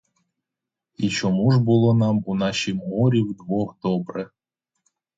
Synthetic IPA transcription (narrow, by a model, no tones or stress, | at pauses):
it͡ʃɔmuʒbʊlˠɔnɑmunɑʃimːɔɾʲiwd̪ʋɔɣd̪ɔbɾɛ